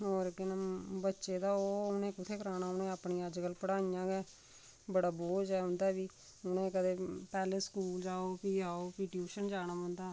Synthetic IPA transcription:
oːɾkɪnəbətːʃeːd̪aːoːʊnẽːkʊt̪ʰeːkəɾaːnaːʊnẽːəpɳiːəd͡ʒɡəlpəɽaːnijãːɡɛː | bəɽaːboːd͡ʒɛːɦʊ̃nd̪aːbiː | ʊnẽːkəd̪eːpɛːleːskuːld͡ʒaːoːpiːaːoːpiːʈjuːʃənd͡ʒaːñaːə̃nd̪aː

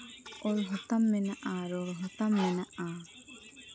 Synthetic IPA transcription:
ɔɾɦɔt̪amːɛnaʔaɾɔɾɦɔt̪amːɛnaʔa

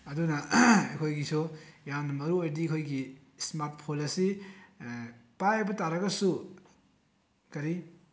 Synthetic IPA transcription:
ɐdunɐekʰojɡisujaŋnɐmɐɾuojdikʰojɡi | smaɾt̚pʰolɐsi | pajebɐtaɾɐɡɐsu | kɐɾi

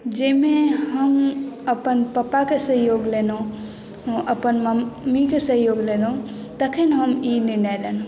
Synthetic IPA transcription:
d͡ʒemeɦəməpənpəpakesəɦjoɡleno | ʔəpənməːikesəɦjoɡlenõ | t̪əkʰenɦəmininɛleno

